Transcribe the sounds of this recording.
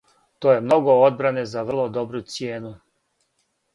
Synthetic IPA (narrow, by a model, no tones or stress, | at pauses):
t̪oːje̞mno̞ɡood̪̚bɾane̞zaʋr̩lˠo̞d̪obɾut̪sjeːnu